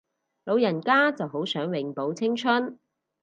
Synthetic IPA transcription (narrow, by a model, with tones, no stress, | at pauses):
lo˨˧wjɐ˨˩nkaː˥t͡sɐ˨wɦo˨˥wsœː˨˥ŋwɪ˨˧ŋpo˨˧wt͡sʰɪ˥ŋt͡ʃʰɵ˥n